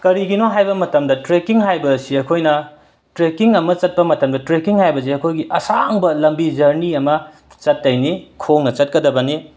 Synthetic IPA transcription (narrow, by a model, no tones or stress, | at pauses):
kɐɾiɡinoɦajbɐmɐtɐmdɐtɾekiŋɦajbɐsiɐkʰojnɐ | tɾekiŋɐmɐt͡ʃɐt̚pɐmɐtɐmdɐtɾekiŋhajbɐs̬iɐkʰojɡiʔɐsaŋbɐlɐmbid͡ʒɐɾniɐmɐ | t͡ʃɐtːɐjnikʰoŋnɐt͡ʃɐt̚kɐdɐbɐni